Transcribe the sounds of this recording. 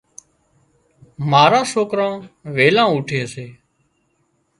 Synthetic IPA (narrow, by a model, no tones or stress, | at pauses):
maːɾãːsoːkɾãːʋeːlãːʊʈʰeːseː